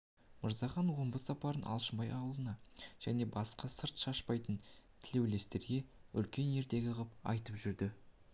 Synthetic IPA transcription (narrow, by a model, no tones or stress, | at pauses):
məɾzɑχɑnwo̞mbəsɑpɑɾənʔɑ̰lˠʃəmbɑjɑwlˠənɑʒ̥æne̞bɑsqɑsəɾt̪ʃɑʃpɑjt̪ənt̪ʰɪle̞wle̞st̪e̞ɾɡʲe̞ʏ̰lkʲe̞ne̞ɾt̪e̞ɡʲɪʁəp̚ɑ̰jt̪əpʒʏɾd̪ɪ